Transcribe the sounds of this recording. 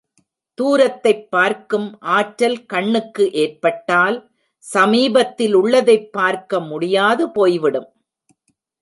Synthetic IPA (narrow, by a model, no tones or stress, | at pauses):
t̪uːɾɐt̪ːɐɪpːaːɾkɯmʔaːʈɾɐlkɐɳːɯkːɯʔeːrpɐʈːaːl | sɐmiːbɐt̪ːɪlʊɭːɐðɐɪpːaːɾkɐmʊɽɪjaːðɯpoːjʋɪɽɯm